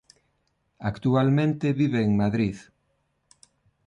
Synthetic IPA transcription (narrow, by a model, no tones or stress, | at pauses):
akt̪ualmẽnt̪eβiβeːŋmaðɾið